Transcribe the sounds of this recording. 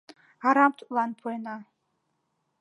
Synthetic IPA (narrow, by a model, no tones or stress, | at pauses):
aɾamtʰʼlanpʰojna